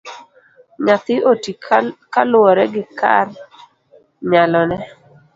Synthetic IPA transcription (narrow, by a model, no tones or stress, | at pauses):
ɲat̪ɪotikalʊɔɾɛɡɪka̰r | ɲalɔnɛ